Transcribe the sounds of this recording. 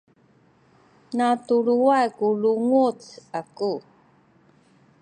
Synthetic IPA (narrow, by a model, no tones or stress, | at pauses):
natuɭuajkuluŋut͡saku